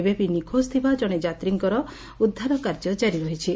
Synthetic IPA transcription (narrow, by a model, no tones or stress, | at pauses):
ebepinikʰost̪ʰibad͡ʒɔɽ̃ed͡ʒat̪ɾiŋkɔɾɔ | ud̪ʱːaɾɔkaɾd͡ʒɔd͡ʒaɾiɾɔɦit͡ʃʰi